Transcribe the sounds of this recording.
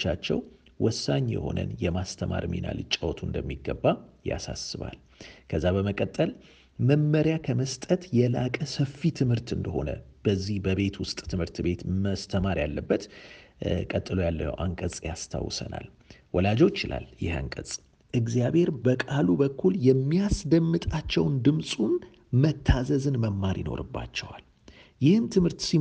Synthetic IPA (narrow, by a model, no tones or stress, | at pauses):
t͡ʃːat͡ʃːɛ̰w | wɔsːaɲːjɛ̰ho̞̰nə̰njɛmast̪ʰəma̰ɾmḭna̰lɨt͡ʃʼːəwt̪ʰund̪əmːiɡːəbːaja̰sasɨβa̰l | kʰəzːabəməkʼət̪ʼːəl | məmməɾjakʰəməst̪ʼət̪jɛlakʼəsəfit̪ʰɨmhɨɾt̪ɨnd̪əho̞nəb̥əzːihbəβe̞t̪wʊst̪ʼt̪ʰɨmhɨɾt̪be̞t̪məst̪ʰəmaɾjalːəbːət̪ | kʼət̪ʼːɨlojalːə̰ʔa̰ŋkʼəsʼjast̪ʰa̰wːsə̰na̰l | wɔlad͡ʒo̞t͡ʃːɪla̰ljɪ̰ha̰ŋkʼət͡sʼ | ʔɨɡzjaβhe̞ɾbəkʼalubəkʰːuljɛmːijasd̪əmːɨt̪ʼat͡ʃːɛwnd̪ɨmsʼun | mət̪ʰːazəzɨnməmːaɾjɪno̞̰ɾɨbːa̰t͡ʃːɛwal | jɪhɨmt̪ʰɨmhɨɾt̪si